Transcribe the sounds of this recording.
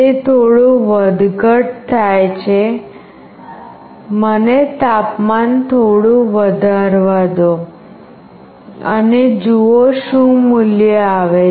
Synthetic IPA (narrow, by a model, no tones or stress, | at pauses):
et̪ʰoɽũʋəd̪ʱɡəʈ̚t̪ʰajt͡ʃʰe | mənet̪apmant̪ʰoɽũʋəd̪ʱaɾʋad̪o | ə̰ned͡ʒuoʃũmuljəaʋe